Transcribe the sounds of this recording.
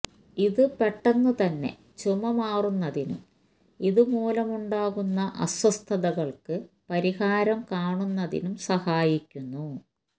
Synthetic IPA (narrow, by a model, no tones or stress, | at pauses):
iðɨpeʈːɐnːut̪ɐnːe̞̰ | t͡ɕumɐmaːrunːɐðinṵm | iðɨmuːlɐmuɳɖaːɣunːɐʔɐswɐst̪ʰɐðɐɣɐɭkɨ | pɐɾihaːɾɐmkaːɳunːɐðḭnumsɐhaːjikʲːunːu